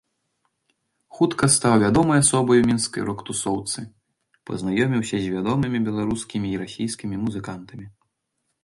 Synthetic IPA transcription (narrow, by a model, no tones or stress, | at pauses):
xut̪kɐst̪awvʲad̪ɔmɐjasɔbɐjwmʲinskɐ̰jɾɔkt̪usɔwt̪sɨ | pɐ̰znajɔmʲiwsʲɐzʲvʲad̪ɔmɨmʲibʲɛlˠaɾuskʲimʲiːɾasʲijskʲimʲimuzɨkant̪ɐmʲi